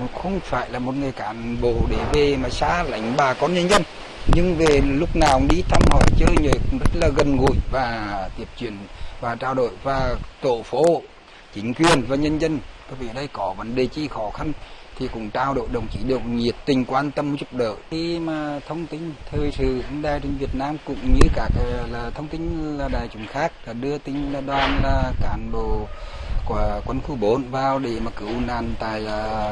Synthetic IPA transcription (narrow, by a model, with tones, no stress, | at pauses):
xə˧wŋ͡mfaː˧˩jlaː˨˩mo˨˩t̚ŋɨ˨˩əjkaː˨˦nɓo˧˩ɗe˨˦ve˨˩maː˨˩saː˧la̰˨˦jŋ̟ɓaː˨˩kɔ˧nɲə˧nzə˧n | ɲɨ˧ŋve˨˩lʊ˦˥k͡p̚naː˨˩wɗi˧t̪ʰaː˧mhɔ̰˧˩jt͡ɕəː˧jɲəː˨˦kzə˦˥t̚laː˨˩ɣə˨˩nɣṵ˧˨jvaː˨˩t̪i˧˩əp̚t͡ɕwi˨˧˩ənvaː˨˩t͡ɕaː˧wɗo̰˧˨jvaː˨˩t̪o̰˧˨fo˨˦˧ | t͡ɕï˨˦ŋ̟kwi˨˩ənvaː˨˩ɲə˧nzə˧nkwu˨˦vḭ˧˨ə˨ɗə˧jkɔ˨˦və˨˦nɗe˨˩t͡ɕḭ˧˥xɔ˨˦xa˧nt̪ʰi˨˩kʊ̰˧˥ŋ͡mt̪aː˧wɗo̰˧˨jɗə̰˨˩wŋ͡mt͡ɕi˨˦ɗɨ˨˩ək̚ŋi˨˩əp̚t̪ï˨˩ŋ̟kwaː˧nt̪ə˧m˨˦zʊ˦˥k͡p̚ɗə̰ː˧˨i˧maː˨˩t̪ʰə˧wŋ͡mt̪ï˧ŋ̟t̪ʰəː˨˩jsɨ̰˧˨˧ɗaː˧˩jt͡ɕe˧nvi˨˩ət̚naː˧mkʊ̰˧˨ŋ͡mɲɨ˧kaː˧˦˩kːlaː˨˩t̪ʰə˧wŋ͡mt̪ï˧ŋ̟laː˨˩ɗaː˨˩jt͡ɕʊ˨˦ŋ͡mxaː˦˥k̚laː˨˩ɗɨ˧ət̪ï˧ŋ̟laː˧ɗwaː˨˩nlaː˨˩kaː˨˦nɓo̰˧˨ | kkwə˧˦nxu˧˩ɓo˨˦nvaː˨˩wɗe˨˩mə˨˩kːɨ˨˦˩wnaː˨˩nt̪a̰ː˧˨jː